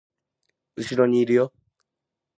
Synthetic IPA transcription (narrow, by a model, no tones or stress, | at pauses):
ɯɕiɾoɲiːɾɯ̟jo